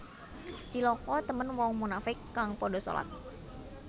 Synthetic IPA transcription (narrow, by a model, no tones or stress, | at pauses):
t͡ʃilɔkɔt̪əmənwɔŋmunafɪkːaŋpɔdoso̰la̰t̪̚